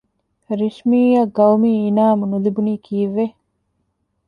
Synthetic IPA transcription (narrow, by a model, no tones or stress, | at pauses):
ɾiʂmiːɐɡɐwmiːnaːmunulibuniːkʰiːʋe